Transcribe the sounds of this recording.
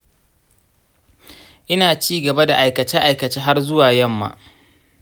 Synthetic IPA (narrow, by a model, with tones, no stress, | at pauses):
ʔɪ˦naː˨t͡ʃiː˦ɡɐ˨ba˦da˨ʔa˨jkɐ˨t͡ʃɛː˦ʔa˨jkɐ˨t͡ʃeː˦ɦa˦rzʊ˦waː˨jɐ˦˨mːa̰ː˨ʔ